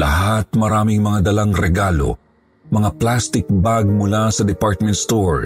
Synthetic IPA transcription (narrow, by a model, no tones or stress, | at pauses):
lɐɦat̪̚mɐɾaːmɪŋmɐŋad̪ɐlaŋɾɛɡaːlo̞̰ | mɐŋaplast̪ɪk̚baɡ̚mʊlasɐd̪ɛpaɹt̪̚mɛ̃nt̪st̪oɹ